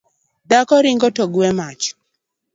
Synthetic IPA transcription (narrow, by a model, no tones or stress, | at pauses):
dakɔɾiŋɡɔtoɡuɛmat͡ʃ